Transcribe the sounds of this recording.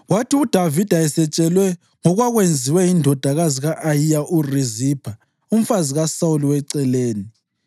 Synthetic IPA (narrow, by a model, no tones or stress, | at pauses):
watʰiud̥ʱavid̥ʱaɛsɛt͡ʃʼɛlwɛ | ŋɔɣwaɣwend͡zʱiwɛjindʱɔd̥ʱaɣaziɣaʔaijaʔurizipʰa | um̩faziɣasauliwɛǀɛleːni